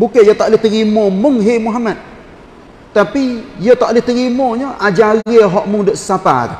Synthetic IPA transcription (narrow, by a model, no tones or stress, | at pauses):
bukejot̪aʔlɪht̪əɾimomʊŋɦemuɦamat̪̚ː | apijət̪aʔliht̪əɾimoɲəʔad͡ʒaɣiɦɔʔmʊŋdoʔssapa̰ka